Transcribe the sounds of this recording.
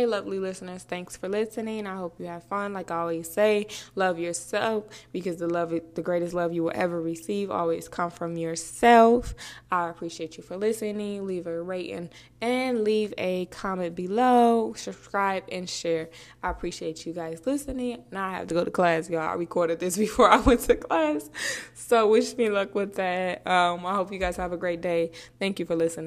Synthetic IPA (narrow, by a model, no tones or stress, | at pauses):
eɪlʌvlilɪsnə˞z̥θæ̃ŋksfə˞lɪsɨnɪ̃ŋaɪɦoʊpjɨɨv̥fʌ̃nlaɪkɔlˠwiɨz̥seɪlʌvjə˞sɛlˠfb̥ɨkʌzðəlʌvðɨɡɹeɪɾɨstˡlʌvjɨwə̰lˠʔɛ̰və˞ɹɨsivɔ̰lˠwiz̥kʰʌ̃ɱfɹʌ̃mjə˞sɛlˠfaɪɨpʰɹ̥iʃieɪt͡ʃɨfə˞lɪsɨnɪ̃ŋlivɨɹeɪɾɨ̰̃n | ɨ̃nlivɨkʰɑmɨ̃nb̥ɨloʊskɹaɪbɨ̃nʃɛɹ | aɪəpʰɹ̥iʃieɪt͡ʃɨɡaɪzlɪsɨnɪ̃ŋ̃naɪhæ̰ftɨɡoʊɾəkʰl̥æsjoa̰ɪɹɨkʰɔɹɾɨd̪̚ðɪsb̥ɨfɔɹaɪwɛ̃ntʰɨkʰlæssoʊwɪʃmilʊkwɪðæt̚ʌ̃maɪɦoʊpjɨɡaɪz̥ɨvɨɡɹeɪt̚d̥eɪθæ̃ŋkjɨfə˞lɪsɨnɪ̃ŋ